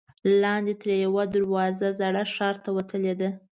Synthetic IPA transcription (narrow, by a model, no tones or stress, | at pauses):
lɑnd̪et̪əɾjawad̪aɾwɑzazaɽaʂɑɾt̪awat̪əled̪a